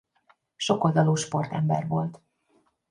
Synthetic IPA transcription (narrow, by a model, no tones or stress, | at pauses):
ʃo̞ko̞ld̪ɒloːʃpo̞rt̪ɛmbɛ̰rvo̞lt̪